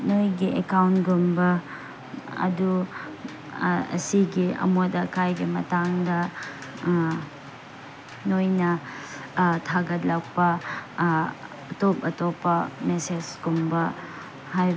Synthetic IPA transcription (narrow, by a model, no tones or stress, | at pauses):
nojɡiʔekawntɡumbɐ | ɐ̰du | ɐ̰siɡiɐ̰modɐkʰajɡimɐtaŋdɐ | nojnɐ | tʰaɡɐt̚lak̚pɐ | ɐtopɐtopɐmesed͡ʒɡ̥umbɐ | haj